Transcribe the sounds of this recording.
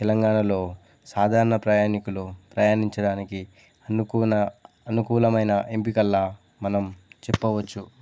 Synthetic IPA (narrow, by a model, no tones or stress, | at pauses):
t̪ɛlɐŋɡaːɳɐlo̞ː | saːd̪ʱaːɾɐɳɐpɾaːjaːnikulupɾɐjaːniɲt͡ʃɐɽaːniki | ɐnunɐ | ɐnukuːlɐmɐjnɐʔempikɐlːaː | mɐnɐmt͡ʃɛpːɐʋɐt͡ʃːu